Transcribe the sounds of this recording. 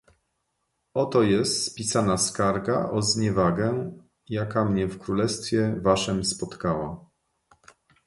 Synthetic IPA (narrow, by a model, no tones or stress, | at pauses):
ɔt̪ɔjɛst̪spʲisanaskaɾɡaʔɔzɲɛvaɡɛ | jakamɲɛfkɾulɛst̪fʲjɛvaʂɛmspɔt̪kawa